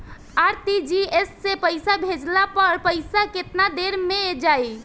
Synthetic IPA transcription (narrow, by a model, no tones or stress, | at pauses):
aɾt̪id͡ʒiesːẽpəjsabʱed͡ʒlapəɾpəɪsaket̪nad̪eɾmed͡ʒaj